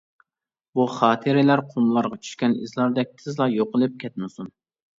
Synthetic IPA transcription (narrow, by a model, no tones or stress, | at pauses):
buχɑːt̪ʰɨɾɪlæɾqʰomlˠɑɾʁɑt͡ʃʰy̥ʃkʲɛnḭzlˠɑɾd̪ɛk̚ʲt̪ʰɨzlˠɑjoqəlˠɨp̚kʲʰɛt̪̚mɪsun